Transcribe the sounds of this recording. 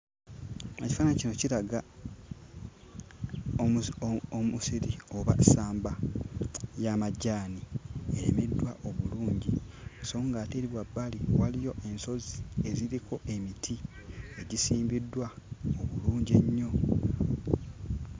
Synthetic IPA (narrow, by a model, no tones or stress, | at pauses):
eci̥faːnacino̞ciɾaɡa | omusiɾio̞βa̰saːmba | jamaɟaːnieɾḛmedwaʔo̞βuluːɲɟiso̞ːŋɡaːteːɾiβwabːaliwalijo̞ʔe̞nso̞zie̞ziɾiko̞ʔe̞mitʰi | e̞ɟisiːmbidːwaoβuluːɲɟeɲːo̞